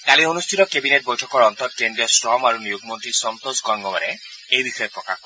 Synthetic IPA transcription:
kalionustʰit̪ɔkebineʈ̚bojʈʰɔkɔɾɔnt̪ɔt̪̚kend̪ɾiɔsʈɾɔmaɾunijuɡ̚ʱmont̪ɾisɔnt̪osɡɔŋɡɔbaɾe | ejbiʃɔjepɾoka̰k

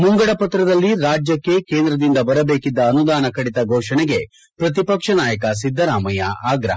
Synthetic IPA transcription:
muŋɡɐɽɐpɐt̪ɾɐd̪ɐlːiɾaːd͡ʒjɐkːe̞keːnd̪ɾɐd̪ind̪ɐbɐɾɐbe̞ːkid̪ːɐːnud̪aːnɐkɐɽit̪ɐɡʱɔːʂɐɳeɡe̞ | pɾɐt̪̬ipɐkʂɐnaːjɐk̬ɐs̬id̪ʱːɐɾaːmɐjɐaːɡɾɐ̰ɦɐ

